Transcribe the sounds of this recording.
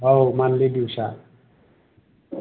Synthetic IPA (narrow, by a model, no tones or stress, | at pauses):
ɦʌwmanled̪iwsa